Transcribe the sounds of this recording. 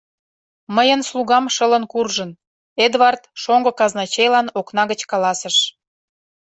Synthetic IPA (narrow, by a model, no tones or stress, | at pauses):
məjənsluɣɑmʃələnkurʒən | ed̪βɑrt̪ʃoŋɡokɑznɑt͡ɕejlɑnoknɑɣət͡ɕkɑlɑsəʃ